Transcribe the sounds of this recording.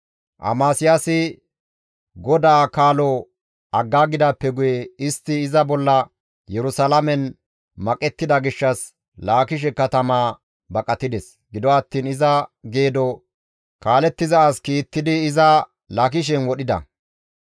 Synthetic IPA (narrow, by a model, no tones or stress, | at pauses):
ʔɐ̰maːsɪjasɪ | ɡɔd̪aːkaːlɔ | ɐɡːaːɡɪd̪apːɛɡʊjɛɪst̪ːɪːzɐbɔlːɐ | jɛɾʊsɐlɐmɛn | mɐkʼɛt̪ːɪd̪ɐɡɪʃːɐs | laːkɪʃ̬ɛkɐt̪ɐmaː | bɐkʼɐt̪ːɪd̪ɛs | ɡɪd̪ɔɐt̪ːiːnɪzɐɡe̞ːd̪ɔ | kaːlɛt̪ːɪzɐːskiːt̪ːɪd̪ɪːzɐ | lak̬ɪʃ̬ɛnwɔɗɪd̪ɐ̰